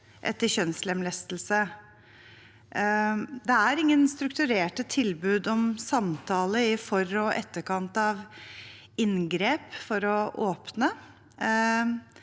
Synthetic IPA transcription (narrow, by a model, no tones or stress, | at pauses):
ʔɛ̰t̪ːəɕœnslɛmlɛst̪l̩sə | d̪ɛæɾɪŋːənst̪ɾʉkt̪ʉɾeːʈət̪ʰɪlbʉːd̪ɔmsɑmt̪ʰɑːləɪfɔɾɔʔɛt̪ːəɾkɑnt̪ɑʋ | ɪnɡɾeːpfɔɾɔʔoːpnə